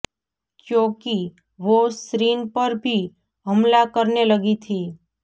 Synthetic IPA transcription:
kjõki | ʋosɾinpəɾbʱi | ɦəmlakəɾneləɡit̪ʰi

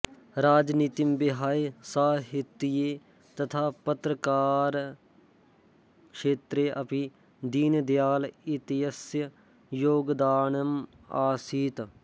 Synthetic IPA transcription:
ɾaːd͡ʒniːt̪imbɪɦaːjsaːɦɪt̪ːijeː | t̪ɐt̪ʰaːpət̪ɾəkaːɾ | kʃeːt̪ɾeːʔɐpi | d̪iːnd̪jaːlɪt̪ɪjəsjə | joːɡd̪aːnəm | aːsiːt̪

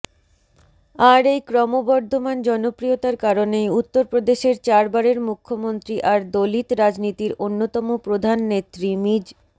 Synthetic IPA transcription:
aɾejkɾɔmobɔɾd̪ʱomand͡ʑɔnopɾiot̪aɾkaɾonejut̪ːoɾpɾod̪eʃeɾt͡ɕaɾbaɾeɾmukʰːomont̪ɾiʔaɾd̪olit̪ɾad͡ʑnit̪iɾonːot̪ɔmopɾod̪ʱanːet̪ːɾimid͡ʑ

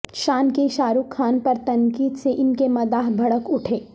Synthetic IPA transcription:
ʃaːnkeʃaːɾukʰːaːnpɐɾt̪ɐ̃ŋkiːd̪seʔɪnkemɐd̪aːɦbʱɐɽəkʊʈʰeː

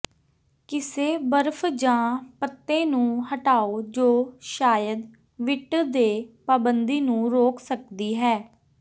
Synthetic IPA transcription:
kɪseːbəɾpʰd͡ʒãːpət̪ːẽːnũːɦəʈaːoːd͡ʒoːʃaːjəd̪ | ʋɪʈd̪eːpaːbənd̪iːnũːɾoːksək̚d̪iːɦɛː

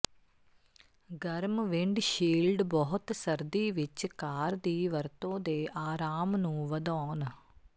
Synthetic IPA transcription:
ɡəɾmʋɪɳɖʃiːlɖbɔːɦʊt̪səɾd̪iːʋɪt͡ʃkaːɾd̪iːʋəɾt̪õːd̪eːʔaːɾaːmnũːʋəd̪ɔːn

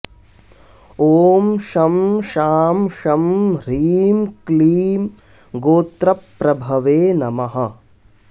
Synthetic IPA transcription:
oːmʃɐmʃaːmʃɐmɾiːmkliːm | ɡoːt̪ɾɐpːɾɐbʱɐʋeːnɐmɐɦɐ̆

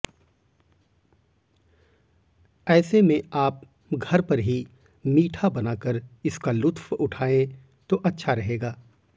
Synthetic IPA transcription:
ɛːsemẽaːp̚ | ɡʱɐɾpɐɾɦi | miːʈʰabɐnaːkəɾɪskalʊt̪ʰwʊʈʰaːẽ | t̪oʔɐtːʃʰaɾɐɦeːɡaː

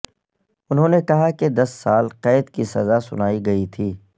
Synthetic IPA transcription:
ʊnɦõːnekɐɦaked̪ɐsːaːlqɛːd̪kisɐzasʊ̰naːiɡɐit̪ʰiː

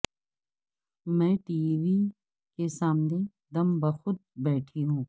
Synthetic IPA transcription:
mɛ̃ːʈiːʋi | kesaːmne | d̪ɐmbɐxʊd̪̚bɛːʈʰiɦũː

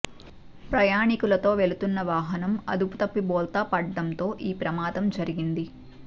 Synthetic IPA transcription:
pɾɐjaːɳikulɐt̪o̞ːʋe̞ɭut̪unːɐʋaːɦɐnɐmɐ̰d̪upu̥t̪ɐpːibɔːlt̪aːpɐːɐnt̪o̞ːʔiːpɾɐmaːd̪ɐmd͡ʒɐɾiɡind̪i

